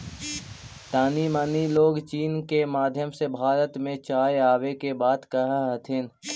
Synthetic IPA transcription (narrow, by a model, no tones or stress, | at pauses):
t̪aːnimaːniloːɡt͡ʃiːnkemaːd̪ʱjəmsebʱaːɾət̪mẽt͡ʃaːeaːʋekebaːd̪kəɦaɦət̪ʰɪn